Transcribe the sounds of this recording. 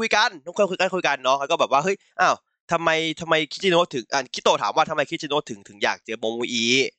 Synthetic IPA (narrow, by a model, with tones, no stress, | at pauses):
kʰu˧jka˧nʰɔ˧˦kʰu˧˥˨kʰu˧ka˧˩nkuː˧jka˧nːɔ˦˥kʰa˧nkɔ˥˩bɛː˨˩waː˥˩hɤ˦˥˩jʔaː˧˥˩w | t̪ʰa˧mːa˧jt̪ʰa˧mːa˧jk̪̚ʰt͡ɕi˧noː˧˥t̪ʰɯ˨˩˦ŋʔaː˧˩kʰt̪ːoː˧˩t̪ʰaː˩˦mwaː˥˩t̪ʰa˧ma˧jkʰi˦˥t͡ɕʰi˧noː˧˥t̪ʰɯ˩˦ŋt̪ʰɯ˩˦ŋja̰ː˨˩k̚t͡ɕa˧bɔː˧muː˧ʔiː˧˩